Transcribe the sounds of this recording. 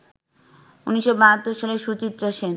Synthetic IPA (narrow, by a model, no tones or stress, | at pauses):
uniʃːobaɦat̪ːoɾʃaleɾʃut͡ɕit̪ːɾoʃen